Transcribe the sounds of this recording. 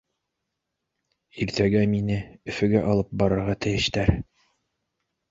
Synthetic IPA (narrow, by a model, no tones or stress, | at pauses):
iɾt̪æɡæminɘɵ̆fɘ̆ɡæʔɑlˠɤp̚bɑɾɤ̆ɾʁɑt̪ɘ̆jɘ̆ʃt̪æɾ